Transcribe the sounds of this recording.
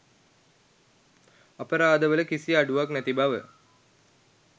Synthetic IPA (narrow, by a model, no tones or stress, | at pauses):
ɐpəɾaːd̪əʋələkisiaɖuʋaknæt̪ibaʋə